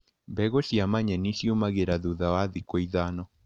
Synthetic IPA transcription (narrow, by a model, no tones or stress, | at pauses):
mbɛɣosiamaɲɛnisiumaɣeɾaðuðawaðikwiðanɔ